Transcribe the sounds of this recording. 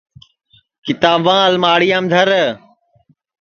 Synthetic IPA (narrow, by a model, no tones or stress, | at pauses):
kɪt̪aːbãːəlmaːɽijãːmd̪ʱəɾ